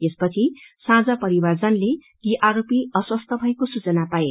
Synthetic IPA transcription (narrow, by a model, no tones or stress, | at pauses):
espʌt͡sʰisãd͡zʌpʌɾiward͡zʌnle | kiʔaɾopiʌswʌst̪ʰʌbʱʌekosut͡sʌnapae